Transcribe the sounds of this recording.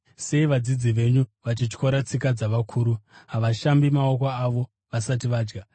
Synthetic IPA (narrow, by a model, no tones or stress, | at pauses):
se̞iʋad͡zid͡ziʋe̞ɲuʋat͡ʃit͡ʃko̞ɾat͡sikad͡zaʋakʰuːɾuɦaʋaʃambimao̞koaʋo̞ | ʋasat̬iʋaːd͡ʒɡa